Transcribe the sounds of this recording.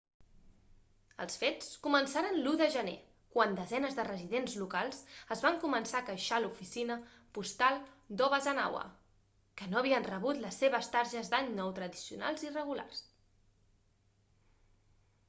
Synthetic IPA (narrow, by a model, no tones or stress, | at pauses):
ə̰lˠsfet͡skumənsaɾənluðəʒənḛ | kwand̪əzɛnəzðərəziðenzlukalˠzəzβaŋkumənsakəʃalufisinə | pust̪alˠd̪ɔβəzəna̰wə̰ | kənoəβ̞iənrəβut̪ləsːeβ̞əst̪aɾʒəzd̪aɲnɔwt̪ɾəðisiṵna̰lˠzirəɣ̞ula̰rs